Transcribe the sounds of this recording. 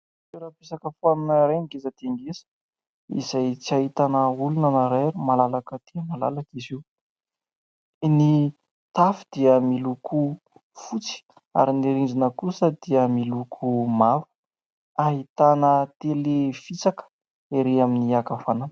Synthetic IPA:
eɾapesakəfaninəɾeniɡezat̪eŋɡezə̥ | ḭzajt͡siaɦit̪anəulunanaɾeɾumalalakəd̪̥iəmala̰lakiziw | ni | t̪afid̪̥iəmilukʰu | fut͡si̥ | a̰ɾiniɾind͡ʒinəkusəd̪̥iəmilukʰumavu̥ | aɦit̪anət̪elefit͡sakə̥ | eɾeaminiakafanan

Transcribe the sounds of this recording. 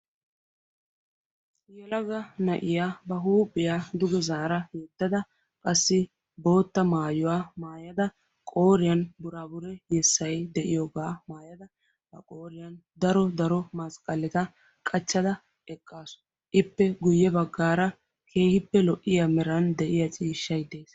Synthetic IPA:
jɛlɐɡɐnɐʔɪjabɐɦuːpʼːɪjad̪ʊɡɛzaːɾɐheːt̪ːɐd̪ɐ | kʼɐsːɪ | bo̞ːt̪ːɐmaːjʊwaːmaːjɐd̪ɐ | kʼo̞ːɾɪjɐnbʊɾaːbʊɾɛjɛsːɐjd̪ɛʔɪjoːɡaːmaːjɐd̪ɐ | bɐkʼoːɾɪjɐnd̪ɐɾɔd̪ɐɾɔmɐskʼɐlːɪt̪ɐ | kʼɐt͡ʃːɐd̪ɐ | ɛkʼːaːsʊ̥ | ʔɪpːɛɡʊjːɛbɐɡːaːɾɐ | kʰe̞ːhɪpːɛlɔʔːɪjamɛɾɐnd̪ɛʔɪjɐt͡ʃʼiːʃːɐjd̪e̞ːs

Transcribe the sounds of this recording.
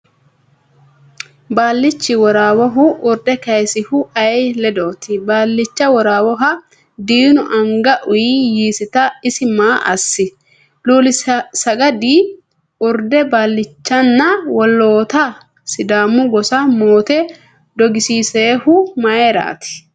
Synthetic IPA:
baːlːɪt͡ʃːɪwɔɾaːwɔɦʊʔʊɾd̪ɛkɐjsɪhʊɐjlɛd̪oːt̪ɪbaːlːɪt͡ʃːɐwɔɾaːwɔɦɐ | d̪iːnʊʔɐŋɡɐʔʊjijiːsɪt̪ɐɪsɪmaːʔɐsːɪ | luːlɪsɐɡɐd̪iː | ʊɾd̪ɛbaːlːɪt͡ʃːɐnːɐwɔlːoːt̪ɐ | sɪd̪aːmːʊɡɔsɐmoːt̪ɛ | d̪ɔɡɪsiːseːhʊmɐeɾa̰ːt̪ɪ̥

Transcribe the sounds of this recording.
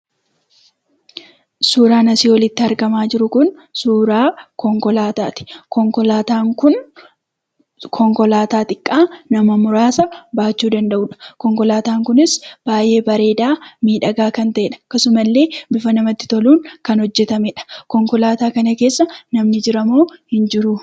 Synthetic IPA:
suːɾaːnɐsiːwɔlɪt̪ːɪɐɾɡɐmaːd͡ʒɪɾʊkʊnsuːɾaːkɔŋkɔlaːt̪a̰ːt̪ɪ̥kɔŋkɔlaːt̪aːŋkʊn | kʰɔŋkɔlaːt̪aːt̪ʼɪkʼːaːnɐmɐmʊɾaːsɐbaːt͡ʃːuːd̪ɐnd̪ɐʔuːᶑɐ̥kɔŋkɔlaːt̪aːŋkʊnɪsb̥aːjʔe̞ːbɐɾe̞ːd̪aːmiːᶑɐɡaːkɐnt̪ɐʔɛᶑɐ̥kːɐsʊmɐlːe̞ːbɪfɐnɐmɐt̪ːɪ̥t̪ɔluːŋkɐnhɔd͡ʒːɛt̪ɐmɛᶑɐ̥kɔŋkɔlaːt̪aːkɐnɐke̞ːsːɐnɐmnɪd͡ʒɪɾɐmoːhɪnd͡ʒɪɾʊ

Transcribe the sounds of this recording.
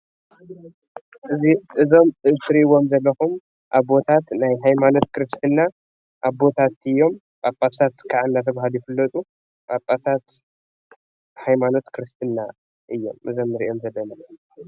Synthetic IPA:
ʔɨziʔɨzo̞mɨsɾiwo̞mzɐlːɐxum | ʔaβbo̞t̪ʰat̪najɦajmano̞t̪̚kʰɨɾɨst̪ʰɨnːa | ʔaβbo̞t̪ʰat̪ɨjːo̞m | bʼapʼːat̪ʰat̪kʰaʕɨnːat̪ʰɐβaɦalujɪfɨlːɐt̪ʼu | bʼapʼːat̪ʰat̪ | hajmano̞t̪kʰɨɾɨst̪ʰɨnːa | ʔɨjːo̞̰mʔɨzo̞mɨɾʔiʔo̞mzɐlːɐnɐjɐ

